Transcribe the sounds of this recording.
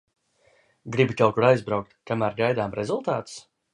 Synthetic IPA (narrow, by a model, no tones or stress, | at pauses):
ɡɾibikawkuɾajzbɾawk̚t̪kamæːɾɡajd̪aːmɾɛzulˠt̪aːt̪ʊ̥s